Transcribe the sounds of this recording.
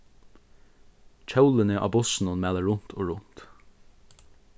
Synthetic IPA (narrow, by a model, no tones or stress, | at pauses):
t͡ʃʰœwlɪnɪʔa̰ːbʊsɪnʊnmæːləɹʊn̥t̪ʰoːɹʊn̥t̪